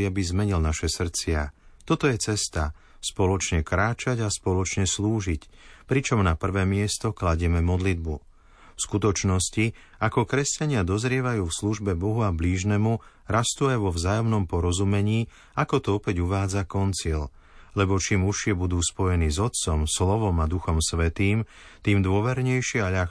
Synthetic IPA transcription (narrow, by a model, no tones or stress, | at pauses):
ɪabizmɛɲilnaʃɛsr̩t͡sɪat̪ɔt̪ɔjɛt͡sɛst̪a | spɔlɔt͡ʃɲɛkɾaːt͡ʃaɟaspɔlɔt͡ʃɲɛsluːʒic | pɾit͡ʃɔmnapr̩ʋɛːmɪɛst̪ɔklaɟɛmɛmɔd̪lid̪̚bu | fskut̪ɔt͡ʃnɔsci | akɔkɾɛscaɲɪad̪ɔzɾɪɛʋajuːfsluʒbɛbɔɦuabliːʒnɛmu | ɾast̪uajʋɔvzaːjɔmnɔmpɔɾɔzumɛɲiː | akɔt̪ɔɔpɛɟuʋaːd͡zakɔnt͡sil | lɛbɔt͡ʃimuʃɪɛbud̪uːspɔjɛniːzɔt̪̚t͡sɔmslɔʋɔmad̪uxɔmsʋɛt̪iːm | t̪iːmd̪ʊɔʋɛɾɲɛjʃɪɛaʎax